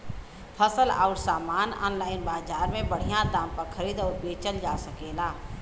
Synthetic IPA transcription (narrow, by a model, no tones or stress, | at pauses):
pʰəsəla̰ːʊʈsaːmaːnɔ̰ːnlaːɪnbaːzaːɾmẽbəɽ̤ijãd̪ãːmpəɾkʰəɾiːd̪ɔːɾbeːt͡ʃəld͡ʒaːsəkeːlaː